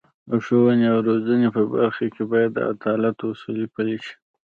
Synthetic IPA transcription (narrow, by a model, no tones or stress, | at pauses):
əʂowəneawɾozanepəba̰ɾxakebɑjad̪ːə̰a̰d̪ɑlat̪oʊsulipaliʃi̥